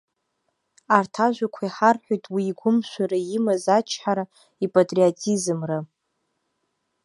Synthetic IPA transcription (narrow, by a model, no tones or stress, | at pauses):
artʰaʒʷᶣakʷʰaiħarħʷᶣojtʼwiːɡʷʊmʃʷaɾaimazat͡ʃʰħaɾa | ipʼatʼriotʰʼizɨmra